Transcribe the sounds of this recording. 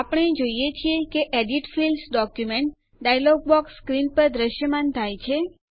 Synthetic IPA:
apəɽ̃ed͡ʒoijet͡ʃʰiekeʔeɖiʈfilsɖɔkjumeɳʈ | ɖajlɔɡ̚bɔksːkɾinpəɾd̪ɾəʃjəmant̪ʰajt͡ʃʰe

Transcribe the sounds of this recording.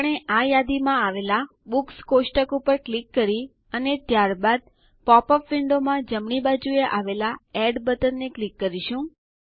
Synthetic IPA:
əɳ̃eʔajad̪imãaʋela | bukskosʈəkupəɾklikːəɾi | ənet̪jaɾbad̪̚ | pɔpɔfːɪɳɖomãd͡ʒəmɳibad͡ʒueʔaʋelaɛɖbət̪ənːeklikːəɾiʃũ

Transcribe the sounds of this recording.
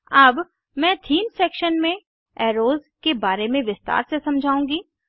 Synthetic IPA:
ɐb | mɛ̃ːt̪ʰiːnsɛːkʃənmẽ | ɛːɾoːzkebaːɾemẽʋɪst̪a̰ːɾsesɐ̃md͡ʒʱaːũːɡiː

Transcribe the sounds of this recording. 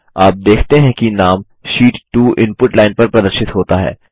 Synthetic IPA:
aːp̚d̪eːkʰt̪eɦɛ̃kinaːm | ʃiːʈːuːʔɪ̃npʊʈlaːɪnpɐɾpɾɐd̪əɾʃɪt̪ɦoːt̪aɦɛ̰ː

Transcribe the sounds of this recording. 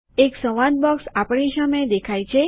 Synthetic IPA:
eksəʋãd̪̚bɔksapəɳisaməjd̪ekʰajt͡ʃʰe

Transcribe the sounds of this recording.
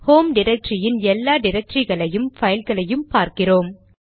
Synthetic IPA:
hoːmɖɪɾɐk̚ʈɾɪjɪnɛlːaːɖɪɾɐk̚ʈɾiɣɐɭɐjɯmfɐɪlɣɐɭɐjɯmpaːɾkɪroːm

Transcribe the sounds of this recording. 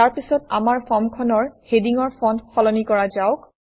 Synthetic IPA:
aɹpisɔta̰maɹpʰɔmkʰɔnɔɹhediŋɔɹpʰonxʰɔlɔnikɔɹazaʊk

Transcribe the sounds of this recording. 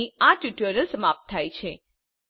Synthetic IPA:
iaʈjuʈjəɾəlsəmap̚t̪ʰːajt͡ʃʰe

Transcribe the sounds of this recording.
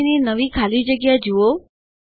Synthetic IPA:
ninəʋikʰalid͡ʒəɡjad͡ʒuo

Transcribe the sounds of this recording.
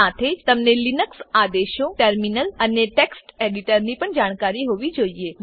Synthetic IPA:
at̪ʰed͡ʒt̪əmnelinəksad̪eʃoʈəɾminələneʈeksʈeɖiʈəɾnipəɳd͡ʒaɽ̃kaɾiɦoʋid͡ʒoie

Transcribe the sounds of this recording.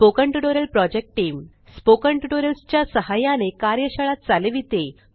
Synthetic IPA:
okəɳʈuʈoɾəlpɾɔd͡ʑek̚ʈʈːiːm | spokəɳʈuʈoɾəlst͡ɕjasəɦajanekaɾjəɕəɭat̪̚t͡saleʋit̪e

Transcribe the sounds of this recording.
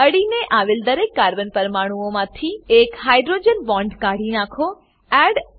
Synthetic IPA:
əɽineʔaʋeld̪əɾekːaɾbənpəɾmaɽ̃uomãt̪ʰiekɦajɖɾod͡ʒənbɔ̃ɳɖkaɽinãkʰo | ɛɖ

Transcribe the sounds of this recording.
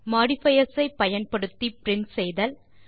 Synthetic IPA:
maːɽɪfɐjɐsɐɪpːɐjɐnpɐɽɯt̪ːipɪɾɪnsɛjðɐl

